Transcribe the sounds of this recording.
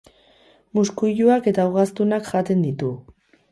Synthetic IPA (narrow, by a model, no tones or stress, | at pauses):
muskuʎuake̞t̪awɣast̪unakʝat̪e̞nd̪it̪u